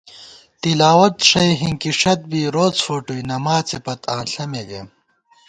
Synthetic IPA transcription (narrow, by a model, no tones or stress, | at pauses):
t̪ilaːwɐt̪ʂɐjɦiŋkiʂɐt̪̚biːɾoːt͡sfoːʈujnɐmaːt͡sepɐt̪ãːnɬɐmeɡem